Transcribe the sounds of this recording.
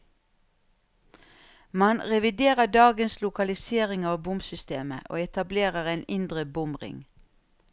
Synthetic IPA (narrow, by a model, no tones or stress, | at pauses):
mɑnʁɛʋɪd̪eːʁəɖɑːɡənslʊkɑlɪseːʁɪŋɑːʋbʊmsʏst̪eːmə̰ʔo̰ːɛt̪ɑbleːʁəʁɛːnɪnd̪ʁəbʊmʁɪ̰ŋ